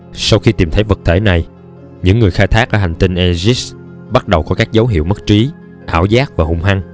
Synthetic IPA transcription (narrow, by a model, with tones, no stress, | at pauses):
sa˧wxi˧t̪i˨˩mt̪ʰə˨˦jvə˨˩k̚t̪ʰḛ˧˩na˨˩j | ɲɨ̰˧˥ŋːɨ˨˩əjxaː˧jt̪ʰaː˦˥k̚ʔəː˧˩ha˨˩ŋ̟t̪i˧nʔɛ˧zi˦˥s | ɓa˦˥t̚ɗə˨˩wkɔ˨˦kaː˦˥k̚zə˨˦wɦḭ˧˨wmə˦˥t̚t͡ɕi˨˦ | ʔaː˧˩wzaː˦˥k̚vaː˨˩hʊ̰˧˩ŋ͡mɦa˧ŋ